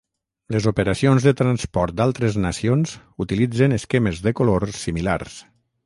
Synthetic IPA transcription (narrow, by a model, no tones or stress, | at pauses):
ləzupəɾasionzðət̪ɾanspɔɾt̪̚d̪alˠt̪ɾəznəsionz | ut̪ilid͡zənəskɛməzðəkoloɾsimila̰ɾs